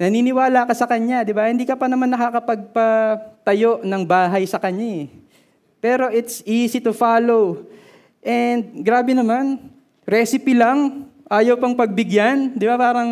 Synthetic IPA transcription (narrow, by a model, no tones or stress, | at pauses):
nɐniːnɪwaːlakɐsɐkɐɲad̪ɪbahɪ̃nd̪iːkɐpɐnɐmanːɐkakɐpɐɡ̚pɐt̪ɐjo̞ʔnɐŋbaːɦɐjsɐkɐɲːa | pɛːɾo̞ʔɪt̪sisɪt̪ʊfaːlow | ʔɛnd̪̚ɡɾaːbɛnɐman | ɾɛːsɪpɪlaŋʔaːjɐwpɐŋpɐɡ̚bɪɡjand̪ɪbapaːɾɐŋ